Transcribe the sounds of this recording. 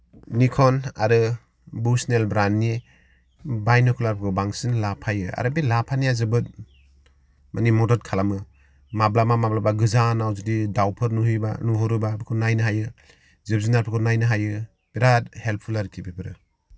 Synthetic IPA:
nikʰɔna̰ɾɯ | busnelbɾanːi | bajnɔkʰɔlaɾpʰɯkʰɯbaŋsinlapʰajɯa̰ɾɯbilapʰanijazɯbɯt̚ | mʔanimɔdɔt̚kʰalamɯ | mablamamablabaɡɯzanawzudidawpʰɯɾnuɦɯjba̰nuɦɔɾɯbabɯkʰɯnajnɯɦajɯ | zɯb̚zinaɾpʰɯkʰɯnajnɯɦajɯ | b̥iɾat̚help̚pʰulaɾɯkʰibibɯɾɯ

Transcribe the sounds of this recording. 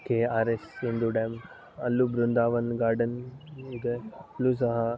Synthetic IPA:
keːaːɾesind̪uɖeːm | ɐlːubɾund̪aːʋɐnɡaːɾɖɐnud̪ɐplusɐɦɐ

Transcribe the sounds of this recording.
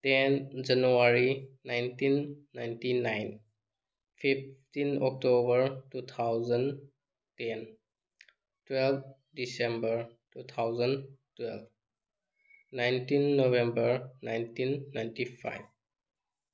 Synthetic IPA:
tɛnd͡ʒanuaɾinajntinːajntinajn | pʰip̚tinɔk̚tobəɾtut̪ʰawzən | tɛn | twɛlb̚ | disembəɹtut̪ʰawzəntwɛlb | najntinːobẽmbəɹnajntinːajntipʰa̰jb

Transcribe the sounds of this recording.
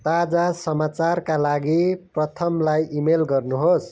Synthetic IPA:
t̪ad͡zasʌmat͡sarkalaɡiprʌt̪ʰʌmlajʔimelɡʌrnuɦos

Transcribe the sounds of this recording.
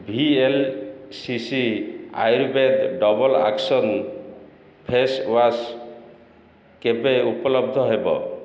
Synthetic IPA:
bʱielsisia̰jɾbed̪ɖɔbɔla̰ksɔn | pʰeswas | kebeupɔlɔb̚d̪ʱɔɦebɔ̰

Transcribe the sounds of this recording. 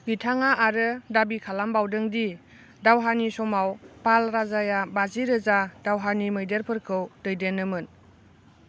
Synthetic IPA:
ɡitʰaŋaʔaɾɯdabikʰalambawdɯŋdi | dawɦanisɔmawpalɾazajabaziɾɯzadawɦanimɯjdeɾpʰɯɾkʰɯwdɯjdenːɯmɯn

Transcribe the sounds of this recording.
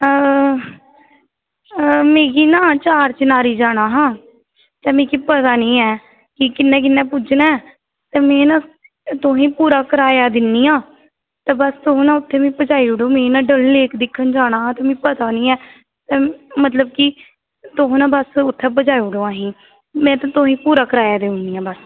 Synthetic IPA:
meːɡiːnãːt͡ʃaːɾt͡ʃənaːɾiːd͡ʒaːɽ̃aːɦãː | t̪ɛːmĩːkipət̪aːnĩːɛː | kɪkɪnːɛ̃ːk̬ɪnːɛ̃ːpʊd͡ʒnaːɛː | t̪ɛːmɛ̃ːnãː | t̪ʊɦĩːpuːɾaːkəɾaːjaːd̪ɪnːiːãː | t̪ɛːbəst̪oɦõːnãːʊt̪ʰːeːmĩːpəd͡ʒaːiːʊɽoːmẽːnãːɖəlːeːkd̪ɪkʰːənd͡ʒaːɽ̃aːɦãːt̪ɛːmĩːpət̪aːnĩːɛː | t̪ɛːmət̪ləb̚kɪ | t̪oɦõːnãːbəsʊt̪ʰːɛːpəd͡ʒaːiʊɽõːãːɦĩː | mɛ̃ːt̪ãt̪oɦĩːpuːɾaːkəɾaːjaːd̪eːʊ̃niːãːbəs

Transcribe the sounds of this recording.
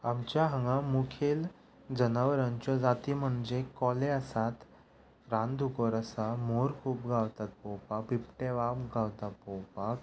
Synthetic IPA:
amt͡ɕjaɦəŋɡamukʰel | d͡zənaʋəɾãɲt͡ɕad͡zat̪iːm̤əɳd͡zekɔleəsat̪ | ɾãnd̪ʱukɔɾəsamoɾkʰuːpɡʱawt̪at̪̚pɔwpak̚pip̚ʈeʋabɡʱawt̪at̪̚pɔwpak

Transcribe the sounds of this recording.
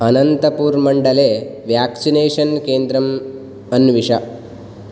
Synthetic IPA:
ɐnɐnt̪ɐpuːɾmɐɳɖɐleːʋjaːksineːʂɐnkeːnd̪ɾɐm | ɐnʋiʂɐ

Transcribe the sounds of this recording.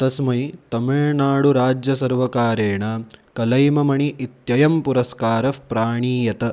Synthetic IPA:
t̪ɐsmɐjt̪ɐmiɭnaːɽuɾaːd͡ʒjɐsɐɾʋɐkaːɾeːɳɐkɐlɐjmɐmɐɳiʔit̪jɐjɐmpuɾɐskaːɾɐpɾaːɳiːjɐt̪ɐ

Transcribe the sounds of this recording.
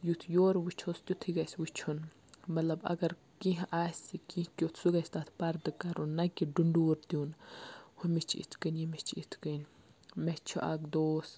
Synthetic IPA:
jut̪ʰjoːɾwut͡ʃʰost̪ʲjut̪ʰiɡɐsʲwut͡ʃʰun | mɐt̪lɐbɐ̰ɡɐɾ | kĩɦʔaːsʲikĩhkʲjot̪ʰsuɡɐst̪at̪ʰpɐɾd̪ɨkɐɾunːɐkʲiɖuɳɖuːɾt̪inhumit͡ʃʰḭt̪ʰkənʲjimet͡ʃʰḭt̪ʰkənʲ | mɛt͡ʃʰṵʔa̰ɡd̪oːs

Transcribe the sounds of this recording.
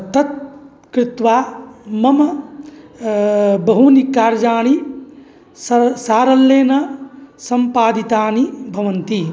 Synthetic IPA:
t̪ɐt̪̚ | kɾɪt̪ʋaːmɐmɐ | bɐɦunikaːɾd͡ʒaːɳi | ssaːɾɐlːeːnɐsɐmpaːd̪it̪aːnibʱɐʋɐnt̪i

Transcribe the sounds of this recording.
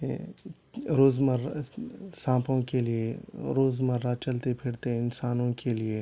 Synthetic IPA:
ɾoːzməɾ | sãːpʰõkelieɾoːzmɐɾːat͡ʃɐlt̪epʰɪɽt̪eɪnsaːnõkelie

